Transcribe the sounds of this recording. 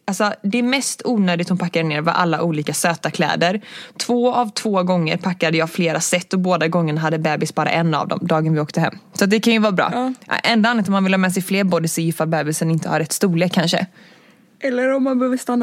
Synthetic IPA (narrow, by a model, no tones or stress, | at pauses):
alsɔd̪ɛɛɾmɛst̪uːnøːd̪ɪt̪hʊnpʰakːadneːɾva̰ʔa̰lːa̰ʔuːliːkasøːt̪akʰlɛ̰ːd̪əɾt̪ʰv̥oːavt̪ʰv̥oːɡɔŋːəɾpʰakːad̪əjɑːfleːɾasɛt̪ːɔboːd̪aɡɔŋːənaɦad̪ːəbɛːbɪsbɑːɾa̰ʔɛnːa̰vd̪ɔ̰md̪ɑːɡənvɪoːkt̪əɦɛ̰mːsɔat̪̚d̪ɛkʰanjɵvɑːɾbɾɑ̰ːʔʔɛnd̪aanːat̪̬ɔmːanvɪlhɑːmɛːs̬ɛjfleːɾbɔd̪əsɔjɪfːabɛːbɪsənɪnt̪əhaɾɛt̪ːst̪uːleːkʰːanʂə̰ | ʔɛlːəɾɔmːanbɛhøːvəst̪anː